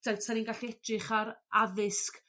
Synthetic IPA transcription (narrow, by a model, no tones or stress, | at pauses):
d̥asaninɡaɬiɛtʰrɪχaɾaðɪsk